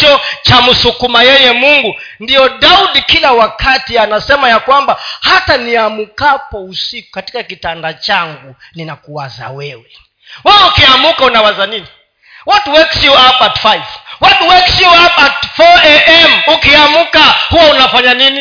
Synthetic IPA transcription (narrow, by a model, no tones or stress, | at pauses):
ɔt͡ʃamusukumajɛjɛmuŋɡu | ndiɔɗauɗikilawakatianasɛmajakwambahataniamukapɔusiku̥kati̥kakitandat͡ʃaŋɡu | ninakuwaza̰wɛwɛ | wawɛukiamukaunawazanini | wɔtwɛksjuabatfajvwɔtwɛksjuabatfɔɛʔɛmukiamukahuwaunafaɲanini